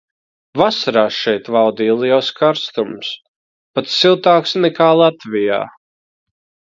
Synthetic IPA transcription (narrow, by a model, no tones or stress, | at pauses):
vasaɾaːʃɛjt̪vawd̪iːlˠiɛwskaɾst̪ums | pat̪silˠt̪aːksnɛkaːlˠat̪vʲija̰ː